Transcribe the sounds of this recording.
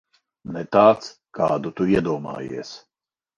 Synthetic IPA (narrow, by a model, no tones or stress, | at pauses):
nɛt̪aːt̪skaːd̪ut̪uiɛd̪uɔmɑ̰ːjḭɛs